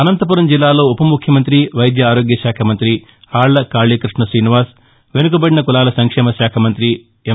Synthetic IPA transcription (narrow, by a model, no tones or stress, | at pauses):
ɐnɐnt̪ɐp̬uːɾɐmd͡ʒilːaːlo̞ːupɐmukʰjɐmɐnt̪ɾiʋɐjd̪jɐaːɾo̞ːɡjɐʃaːkʰɐmɐnt̪ɾi | aːɭːɐkaːɭiːkɾiʂɳɐsɾiːniʋaːs | ʋe̞nuk̬ɐbɐɽinɐkulaːlɐsɐŋkʂɛːmɐʃaːkʰɐmɐnt̪ɾi | e